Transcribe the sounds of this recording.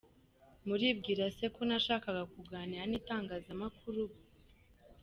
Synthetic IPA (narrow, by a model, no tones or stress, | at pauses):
muɾib̚ɡiːɾase̞konaʃaːkaɡakuɡaːniɾanitaːŋɡaːzamakʰuɾu